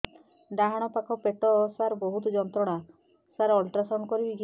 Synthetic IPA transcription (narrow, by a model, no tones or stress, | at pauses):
d̪aɦaɽ̃ɔpakʰɔpeʈɔsaɾɔbɔɦut̪ɔd͡ʒɔnt̪ɾɔɽ̃a | saɾɔlʈɾasɔnkɔɾibid͡ʒ